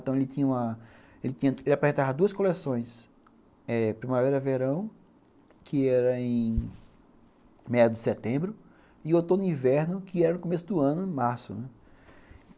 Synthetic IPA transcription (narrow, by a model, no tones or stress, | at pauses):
t̪ɐ̃w̃elɪt̪ĩɲɐũmɐ | elɪt̪ĩɲɐelɪapɾezẽnt̪avɐd̪uɐskolesõj̃s | ɛpɾĩmaveɾɐveɾɐ̃w̃ | kʰɪɛɾɐẽj̃ | mɛɐd̪ɪset̪ẽbɾʊ | ɪot̪õnʊĩvɛɾnʊkɪɛɾɐnʊkomesʊd̪ʊɐ̃nʊ̃maɾsʊnɛ